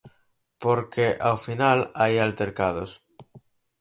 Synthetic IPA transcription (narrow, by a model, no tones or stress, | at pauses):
poɾkeʔawfinalajalt̪eɾkað̞o̰s